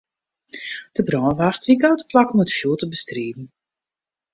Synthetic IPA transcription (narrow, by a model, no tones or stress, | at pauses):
d̥əbrɔːʋartʋikawtə̥plakɔmətfjoːlˠtəbəstreːdn̩